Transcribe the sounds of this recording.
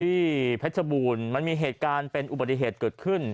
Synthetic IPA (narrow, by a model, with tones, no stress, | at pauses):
t̪ʰiː˥˩pʰɛ˦˥t̪̚sʰa˧buː˧nma˧nmiː˧ɦeː˨˩t̪̚kaː˧npe˧nʔu˨˩ba˨˩i˨˩ɦeː˨˩t̪̚kɤː˨˩t̪̚kʰɯ˥˩n